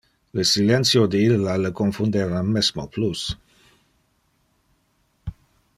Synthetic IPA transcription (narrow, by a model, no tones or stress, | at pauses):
ləsilɛnt̪sjod̪əilːaləkoɱfund̪eɾamːɛsmoplus